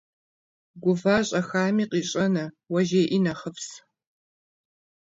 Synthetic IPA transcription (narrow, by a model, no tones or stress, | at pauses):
ɡʷʊvaːɕʼɐxaːmiːqiːɕʼɐnɐ | wɐʒeːʔinɐχəps